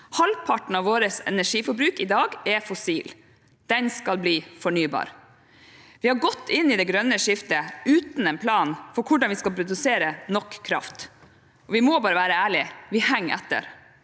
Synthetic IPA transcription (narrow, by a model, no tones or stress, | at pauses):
hɑlpʰɑʈɳ̩ɑʋoːɾəsɛ̰næʂiːfɔɾbɾʉːkɪd̪ɑːɡɛfɔsiːl | d̪̥ɛnskɑlbliːfɔɳyːbɑ̰ːɾ | ʋɪhɑɾɡɔt̪ːɪnːɪd̪ɛɡɾœnːəʂɪft̪əʉːt̪n̩ɛnpʰlɑːnfɔɾkʰʊɖɑnʋɪskɑlpʰɾʊd̪ʉseːɾənɔkʰːɾɑ̰ft̪ | ʔɔʋɪmoːbɑːɾəʋæːɾəæːɭɪʋɪhæŋːɛ̰t̪ːə̰ɾ